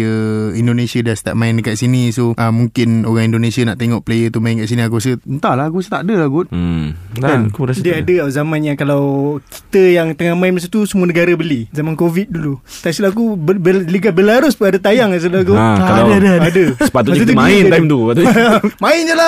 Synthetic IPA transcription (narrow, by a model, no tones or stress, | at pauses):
əindonesiadasə̥t̪a̰ʔ̚maɪnəkaʔsinisoʔəmːuŋkɪnoɣaŋindonesianaʔt̪eŋɔʔplejət̪umaɪnkaʔsiniak̬uasəənt̪alahakuasət̪aʔdəlaɡʊt̪̚ | akuɾadiəadəazamanɲakalawki̥t̪əjaŋt̪əŋahmaɪnmas̬ət̪usəmuənəɡaɾəbəlizamankovit̪̚dulut̪aisulaak̬ubbliɡat̪̚bəlaɾʊspunadət̪ajaŋas̬ulakukalaadəadəssə̥pat̪utms̚ɲet̪umaɪnt̪ajmt̪umaɪnd͡ʒəla